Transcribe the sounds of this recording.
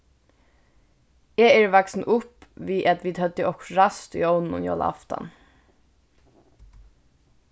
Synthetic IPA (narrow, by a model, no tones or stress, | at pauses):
eːæːɹʋaksn̩ʔʊpʋiːʔat̪ʋiːd̪hœd̪əʔɔkɹast̪ḭɔwnn̩ʊ̰njo̰ːl̰a̰ft̪a̰n